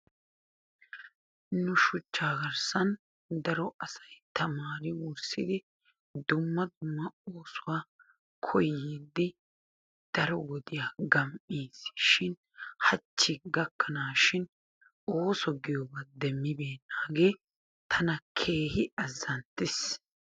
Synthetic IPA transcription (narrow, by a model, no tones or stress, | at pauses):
nʊʃʊt͡ʃːaːɡɐɾsɐn | d̪ɐɾɔɐsɐjt̪ɐmaːɾɪwʊɾsɪd̪ɪ | d̪ʊmːɐd̪ʊmːɐoːsʊwaː | kʰɔjid̪ːɪ | d̪̥ɐɾɔwɔd̪ɪjaːɡɐmiːsʃɪn | hɐt͡ʃːɪɡɐkːɐnaːʃɪn | o̞ːsɔɡɪjɔɡɐd̪ɛmːɪbe̞ːnːaːɡe̞ː | t̪ʰɐnɐkʰe̞ːhɪɐzːɐnt̪ːɪs